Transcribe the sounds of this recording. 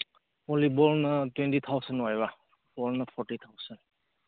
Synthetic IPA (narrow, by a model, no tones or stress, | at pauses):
ɔlibɔlnatwɛntit̪ʰawsənwajba | b̥ɔlnapʰɔɹtit̪ʰawsan